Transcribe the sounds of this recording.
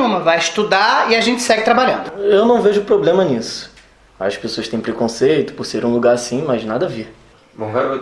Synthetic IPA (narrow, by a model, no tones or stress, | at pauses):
ũmɐvajɪʃt̪ud̪aiaʒẽnt͡ʃɪ̥sɛɡɪt̪ɾabaʎɐ̃nd̪ʊewnɐ̃w̃veʒʊpɾoblẽmɐnisʊ̥ | a̰ʃʊkɪpesoɐst̪ẽj̃pɾekõsejt̪ʊ̥pʊɾseɾũluɡaɾasĩmɐznad̪ɐviɾ̃